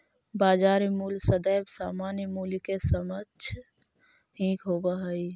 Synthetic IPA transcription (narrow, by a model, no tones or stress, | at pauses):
baːd͡ʒaːɾmuːlsəd̪əjbsaːmaːnjmuːlkesəmət͡ʃʰ | ɦĩkɦobəɦəi